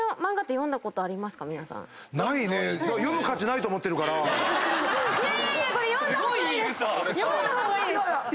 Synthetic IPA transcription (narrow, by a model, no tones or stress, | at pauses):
omãŋɡat̪ːejõnd̪ako̞t̪oaɾʲimasɨ̥kamʲinasã̰ŋ̃ | naine̞jajomɯ̟kat͡ɕinait̪oːmot̪ːeɾɯ̟kaɾa | kojõnd̪oijoaoie